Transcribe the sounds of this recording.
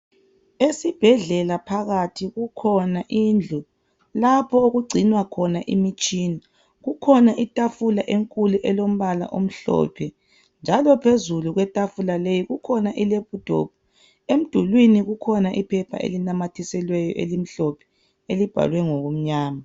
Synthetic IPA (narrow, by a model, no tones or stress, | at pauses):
esib̥ʱɛɮɛlapʰaɣatʰiɣukʰɔnaʔind͡ɮʱu | lapʰɔoɣuɡ͡ǀʱinwakʰɔnaʔḭmit͡ʃʼiːni | ɣukʰɔnaʔitʼafulaʔeŋkʼuluʔɛlom̩βala̰ʔom̩ɬɔ̰pʰɛ | nd͡ʒʱalɔpʰezuluɣwɛtʼafulalejiɣukʰɔnaʔilep̚ud̥ʱo̰b̥̚ʰʱu | em̩d̥ʱulwiniɣukʰɔnaʔipʰɛpʰa̰ḛlinamatʰisɛlwɛjɔ̰ʔelim̩ɬɔpʰɛ̥ | elib̥ʱa̰lwɛŋoɣum̩ɲaːma